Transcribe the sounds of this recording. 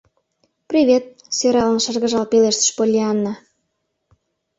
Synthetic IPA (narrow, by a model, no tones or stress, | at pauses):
prʲivʲet̪̚ | søɾɑlə̆nʃərɣə̆ʒɑlpeleʃt̪ə̥ʃpolʲːiɑnːɑ